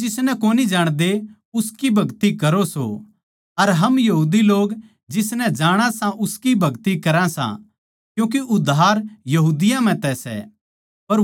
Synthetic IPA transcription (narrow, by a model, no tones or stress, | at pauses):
d͡ʒɪsnɛkoːnid͡ʒaːɽ̃d̪e | ʊskibʱɐɡt̪ikɐɾoso̰ | ɐɾɦɐmjɐɦuːd̪iloːɡ | d͡ʒɪsnɛd͡ʒaːɽ̃ãsãʔʊskibʱɐɡt̪ikɐɾãsã̰ | kjũːk̬iʔʊd̪ʱaːɾjɐɦuːd̪ɪjãm̤ɛ̃t̪ɛsɛ̰ | pɐɾ